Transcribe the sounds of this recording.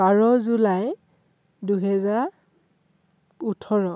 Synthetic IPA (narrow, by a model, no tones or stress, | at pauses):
aɹɔzulaj | duɦɛzaɹ | utʰɔɹɔ